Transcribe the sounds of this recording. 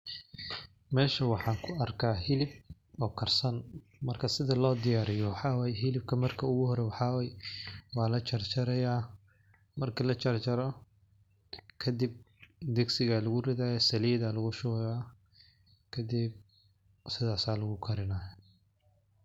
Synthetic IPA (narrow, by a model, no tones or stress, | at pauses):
mɛːʃɐwɑħɑːŋkʰʊɐrkʰaːɦɪlɪb̚ | ɔːkʰɐrsɐn | mɐrkʰɐsɪðɐlɔːd̪ɪjaːɾɪjɔwħɑwɛjɦɪlɪb̚kʰɐmɐrkʰɐʊɣʊɦɔɾɛwɑħɑwɛjwɑːlɐt͡ʃʰɐrt͡ʃɐɾɐjaː | mɐrkʰɐlɐt͡ʃʰɐrt͡ʃɐɾɔ | kʰɐd̪ɪb̚d̪ɛɡsɪɣalɐɣʊrɪðaːjɛsɐliːðɐlɐɣʊʃʊa | kʰɐd̪ib̚ | sɪðaːsaːlɐɣʊkʰɐɾɪna